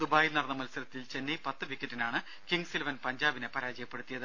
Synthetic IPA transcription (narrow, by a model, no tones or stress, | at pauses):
d̪ubaːjilnɐrɐnːɐmɐlsɐɾɐt̪ːilt͡ɕe̞nːejpɐt̪ːɨʋikʲːɐtːinaːɳɨ | kiŋɡsilɐʋɐnpɐɲd͡ʑaːbinepɐɾaːd͡ʑɐjɐpːeɽut̪ːijɐðɨ